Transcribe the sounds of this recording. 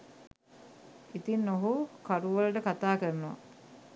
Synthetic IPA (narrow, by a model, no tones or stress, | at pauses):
it̪inːoɦukaɾuʋələʈəkat̪aːkəɾənoʋa̰